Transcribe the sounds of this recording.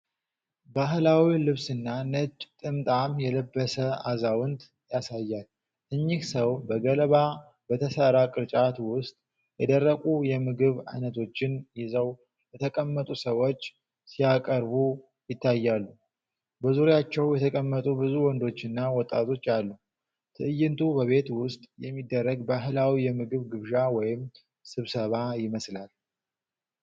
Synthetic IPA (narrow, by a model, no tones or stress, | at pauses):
baɦlawilɨβsɨnːanət͡ʃʼːt̪ʼɨmt̪ʼamjɛləbːəsəazawʊnt̪ | jasajːal | ɨɲːɪksəwbəɡələβa | bət̪ʰəsəɾakʼɨɾt͡ʃʼat̪wʊst̪ʼ | jɛd̪ərːəkʼujɛmɨɡɨβa̰jnət̪ʰo̞t͡ʃːɪnjɪzəw | jɛt̪ʰəkʼəmːət̪ʼusəwo̞t͡ʃː | sijakʼəɾbu | jɪt̪ʰːajːalːu | bəzuɾejat͡ʃːɛwjɛt̪ʰəkʼəmːət̪ʼubɨzuwɔnd̪o̞t͡ʃːɨnːawɔt̪ʼːa̰t̪ʰo̞t͡ʃːalːu | t̪ʰɨʔɨjːɪnt̪ʰubəβe̞t̪wʊst̪ʼjɛmːid̪ːərːəɡbaɦɨlawijɛmɨɡɨβɡɨβʒawɔjɪm | sɨβsəβajɪməslal